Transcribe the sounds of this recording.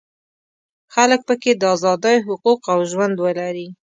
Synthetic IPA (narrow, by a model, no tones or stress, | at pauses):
xalək̚pəked̪əɑzɑd̪əjɦʊquqawʒwand̪wəlaɾi